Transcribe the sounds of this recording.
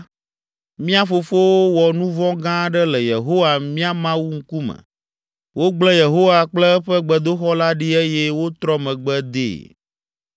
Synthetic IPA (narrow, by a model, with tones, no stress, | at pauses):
mĩ˦a˦fo˨fo˦wo˦wɔ˨nũ˦vɔ̃˦ɡã˦ɖɛ˦lɛ˨je˨ɦo˦wa˨mĩ˦a˦mã˦wu˦ŋ̩˦ku˦mɛ̰̃˨ | wo˦ɡ͡blɛ˦je˨ɦo˦wa˨k͡plɛ˦ɸɛ˦ɡ͡bɛ˨d̪o˦xɔ˦la˦ɖi˦e˦jɛ˦wo˦t̪ɾɔ˦mɛ̃˨ɡ͡bɛ˦d̪ḛː˦˨